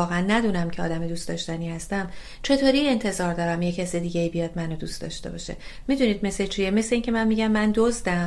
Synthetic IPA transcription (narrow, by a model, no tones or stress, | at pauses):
ɒːɣeænːæd̪uːnæmcʰeɒ̰ːd̪æmed̪uːst̪ɒ̰ːʃt̪æniːhæst̪æm | t͡ʃʰe̞t̪ʰoːɾie̞nt̪ʰe̞zɒːɾd̪ɒːɾæmjecʰæsed̪iːɡʲe̞iːbijɒd̪mænod̪uːst̪ɒ̰ːʃt̪e̞̰bɒ̰ʃe̞̰mid̪uniːd̪̚me̞slet͡ʃʰijeme̞sleiŋcʰe̞mænmiɟæmːænd̪ozd̪æm